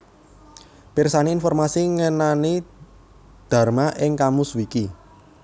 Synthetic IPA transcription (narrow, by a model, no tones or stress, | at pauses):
pirsaniinfɔrmasiŋənani | d̪̥a̤rmaʔɪŋkamʊswiki